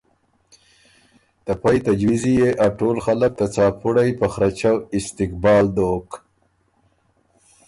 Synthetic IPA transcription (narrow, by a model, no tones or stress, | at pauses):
t̪apajt̪ad͡ʒwizijeʔaʈoːlxalak̚t̪at͡sɑːpuɽajpəxɾat͡ʃawɪst̪ɪkbɑːld̪oːk